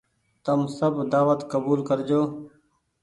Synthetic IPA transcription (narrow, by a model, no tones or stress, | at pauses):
t̪əmsəbʱd̪aːʋət̪kəbuːlkəɾd͡ʒoː